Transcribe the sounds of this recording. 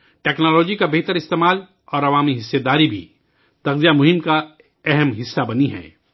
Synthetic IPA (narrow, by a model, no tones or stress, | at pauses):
ʈeːknɔːlɔːd͡ʒikabeɦt̪əɾɪst̪eːmaːl | ɔːɾɐʋaːmiɦɪsːed̪aːɾibʱḭ | t̪ɐqzijamʊɦɪmka | ɛɦɛmɦɪsːabɐniɦɛ̰̃ː